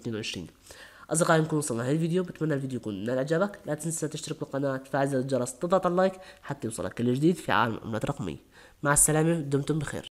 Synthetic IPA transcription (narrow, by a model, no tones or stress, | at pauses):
t̪neːnwʊʕɪʃɾḭːn | ʔɑzˤd̪ɑqɑːjnkuːnwsˤɑnːahalvid̪jubɪt̪manːalvid̪jojkuːnmɪnalʔd͡ʒaːbaklʔaːt̪ɪnsat̪ɪʃt̪ɑɾɪk̚bɪlqɑnaːʔt̪faːʕɪzad͡ʒɑɾˤɑsˤt̪ɨðˤɑt̪ˤʕlːɑjkħat̪ːajuːsˤɑ̰lːɑ̰kːɪlːɪd͡ʒd̪iːd̪fiʕa̰ːlamʔa̰mlaːt̪ɾˤɑqmɪ̰jːa | maʕsːalaːmid̪ʊmt̪ʊmbɪxḛːɾ